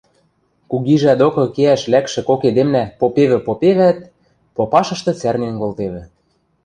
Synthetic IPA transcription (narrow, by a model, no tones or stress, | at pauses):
kuɣiʒæd̪okɤ̆keæʃlækʃɘ̆koked̪emnæpopeβɘ̆popeβæt̪̚ | popɑʃɤ̆ʃt̪ɤ̆t͡særnenkolt̪eβɘ̆